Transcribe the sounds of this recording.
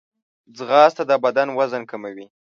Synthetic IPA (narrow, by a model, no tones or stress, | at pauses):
zɣɑst̪ad̪abad̪anwazənkamawi